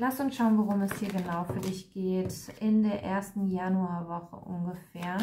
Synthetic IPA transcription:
lastʊnsʃaʊənvoʁʊmɛsd̥iːɐɡənaʊfyːɐdɪçɡ̥eːtɪndeːɐʔeːɐstn̩januaːvɔχə̰ʔʊ̰nɡəfɛːɐ

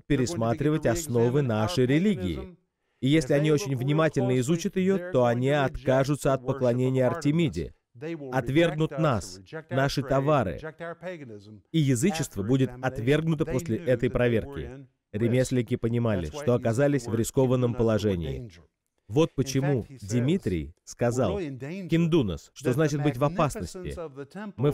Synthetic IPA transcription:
pʲɪɾʲɪsmat̪ɾʲɪvətʲɐsno̞vɨn̪aʂəjɾʲɪlʲiɡʲɪɪ̰ | ijesʲlʲɪɐnʲio̞t͡ɕɪnʲvnʲɪmatʲɪlʲnəɪzut͡ɕət̪jɪjo̞t̪o̞ɐnʲiɐt̪kaʐʊt̪səɐt̪̚pəklˠɐnʲenʲɪjəɐrtʲɪmʲidʲɪ̰ | ɐt̪vʲe̞rɡnʊt̪nasnaʂɨt̪ɐvaɾɨ̰ | ijɪzɨt͡ɕɪst̪vəbudʲɪt̪ɐt̪vʲe̞rɡnʊt̪əpo̞sʲlʲɪʔɛt̪əjpɾɐvʲerkʲɪ̰ | ɾʲɪmʲesʲlʲɪkʲɪpənʲɪmalʲɪ̰ʂt̪o̞ɐkɐzalʲɪsʲvɾʲɪsko̞vənːəmpəlˠɐʐɛnʲɪ̰ɪ̰ | vo̞t̪̚pət͡ɕɪmudʲɪmʲit̪ɾʲɪ̰jskɐzalˠkʲɪnd̪unə̰sʂt̪o̞znat͡ɕɪt̪̚bɨtʲvɐpasnəsʲtʲɪ̰mɨ

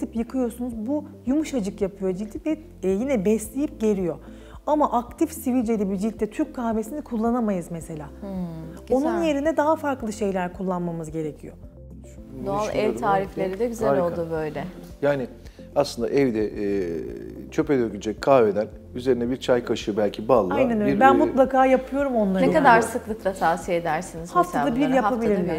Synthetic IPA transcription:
t̪ʰɯpjɯkʰɯjo̞sunuzbujumuʃad͡ʒɯkjapʰɯjo̞d͡ʒit̪id̪ɛ | jinɛbɛslʲe̞jip̚ɟe̞ɾijo̞ | amaʔak̚t̪ʰifsivilʲd͡ʒelʲibid͡ʒit̪ʰːɛt̪ʰyɾc̚kʰːaːve̞sinikʰulˠːanamajɯzmese̞lʲaː | o̞nunje̞ɾinɛd̪aɦafaɾklˠɯʃe̞jlʲæɾkʰulˠːanmamɯzɟe̞ɾecʰijo̰ | d̪oalˠʔɛvt̪ʰaːɾiflʲe̞ɾid̪ɛɡyzɛlolˠd̪ubø̞jlʲɛ | jaːnɪ | aslɯnd̪a̰ʔɛvd̪ɛʔ | t͡ʃʰø̞pɛd̪øɾkynd͡ʒʰɛkʰaːved̪æn | yze̞ɾinɛbiɾt͡ʃʰajkʰaʃɯbælʲcʰibalˠːajnɛnobænmulˠakʰaːjapʰɯjo̞ɾumo̞nlˠaɾnɛkad̪aɾsɯklˠɯklˠat̪ʰaːsied̪æɾsinizhat̪ad̪abiɾjaabillʲiɾlʲæ̥

